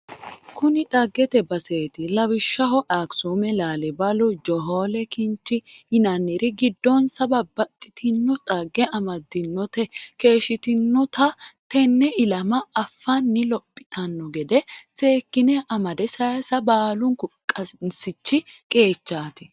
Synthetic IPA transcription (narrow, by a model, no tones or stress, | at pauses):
kʊnɪᶑ̪ʼɐɡːɛt̪ɛbɐseːt̪ɪlɐwɪʃːɐhɔʔaːksuːmɛlaːlɛbɐlɔd͡ʒɔɦoːlɛkɪnt͡ʃːɪɪnɐnːɪɾɪɡɪd̪ːɔnsɐbɐbɐt̪ʼːɪ̥t̪ɪnːɔt̪ʼɐɡːɛɐmɐd̪ɪnːɔt̪ɛke̞ːʃɪt̪ɪnːɔt̪ɐt̪ɛnːɛʔɪlɐmɐɐfːɐnːɪlɔpʼːɪ̥t̪ɐnːɔɡɛd̪ɛse̞ːkːɪnɛʔɐmɐd̪ɛsɐjɐsɐbaːlʊŋkʊkʼːɐnsɪt͡ʃːɪkʼe̞ːt͡ʃːaːt̪ɪ